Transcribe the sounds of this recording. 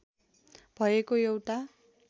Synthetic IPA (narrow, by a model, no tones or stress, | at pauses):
b̥ʱʌjekojewʈa